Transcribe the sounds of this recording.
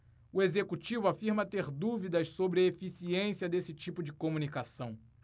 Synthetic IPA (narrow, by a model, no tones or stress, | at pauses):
ʊezekut͡ʃivʊafiɾmɐt̪eɾd̪uvid̪ɐʃsobɾɪefisiẽsiɐd̪esɪt͡ʃipʊd͡ʒɪkomũnikasɐ̃w̃